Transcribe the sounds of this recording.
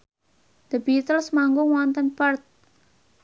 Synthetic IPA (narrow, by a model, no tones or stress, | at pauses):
d̪̥əbit̪əlsmaŋɡʊŋwɔnt̪ənpərt̪̚